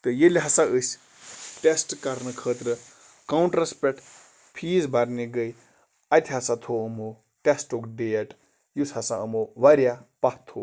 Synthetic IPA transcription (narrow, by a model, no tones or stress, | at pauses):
t̪ɨjelʲɦɐsaəsʲ | ʈesʈkɐɾnɨkʰəːt̪ɾɨ | kɐwɳʈɾɐspeʈ | pʰiːzbɐɾneɡəj | ɐt̪ʲʰɦɐsat̪ʰoəmo | ʈesʈokɖejeʈ | jushɐsaəmoʋɐɾjapɐht̪ʰo